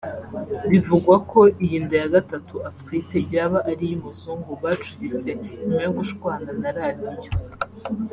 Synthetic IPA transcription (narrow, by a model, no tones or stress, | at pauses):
βivuɡwakʰo̞ʔijiːndajaɡatatuatwiːte̞ɟaːβaʔːɾijimuzuŋɡuβaːt͡ʃu̥ɟit͡se̞mŋweɡuʃkwaːnanaɾaːdijo